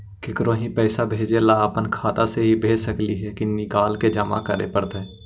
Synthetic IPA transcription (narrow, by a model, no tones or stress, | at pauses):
kɪkɾõːɦĩpɛːsabʱeːd͡ʒelaəpənkʰaːt̪aseɦibʱeːd͡ʒsəkliɦɛkinɪkaːlked͡ʒəma̰kəɾḛpəɾt̪ɛ̃ː